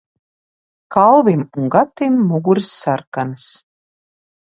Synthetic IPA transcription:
kalˠvimuŋɡat̪imːuɡuɾsːaɾkanɨs

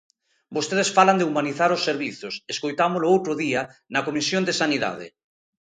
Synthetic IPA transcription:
bost̪eðesfaland̪eumaniθaɾosːeɾβiθʊseskojt̪amoloowt̪ɾʊðiɐnɐkomisjond̪esaniða̰ðɪ̰

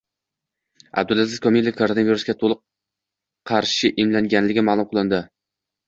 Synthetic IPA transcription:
a̰b̚d̪ʊlˠazɪzkʰomilʲˠɪkʰoɾonaviɾusɡʲat̪ʰolˠɨqʰː | ɑɾʃɪʔɪmlaŋɡʲanlɪɡʲɪmaːlˠʊmqʰɨlˠɪnd̪ɪ

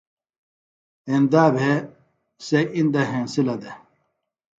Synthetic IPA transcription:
end̪aːbʱe | seĩnd̪ɐɦẽnsilɐd̪e

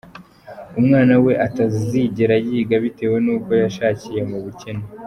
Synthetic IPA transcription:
umŋaːnawe̞ʔatazziɟeɾajiːɡaβite̞ːwe̞nuːko̞jaʃaːcije̞muβuce̞ne

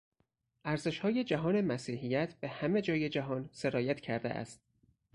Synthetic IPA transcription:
ʔæɾze̞ʃhɒːje̞d͡ʒæɦɒːne̞mæsiːɦijæt̪ʰb̥ehæme̞d͡ʒɒːje̞d͡ʒæɦɒːnseɾɒːjæt̪ʰcʰæɾd̪ḛʔæ̰st̪̚

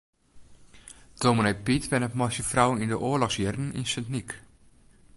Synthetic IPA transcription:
d̥ominepitʋɛnətmɔsjəfrawənindəʔoəlɔxsjɛrdn̩ḭnsəntnik

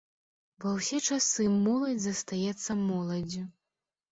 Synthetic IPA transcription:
vɐwsʲɛt͡ʂasɨmɔlˠɐd͡zʲzɐst̪ajɛt̪sːɐmɔlˠɐd͡zʲu

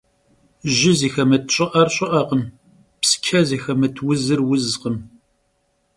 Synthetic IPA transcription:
ʒɪziːxɐmɐt̚ʰɕʼɐʔɐrɕʼɪʔɐːqəm | pskʲʰɐziːxɐmɐtʰwʊzɨrwʊzqəm

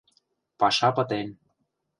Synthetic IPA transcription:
pɑʃɑpɤ̆t̪en

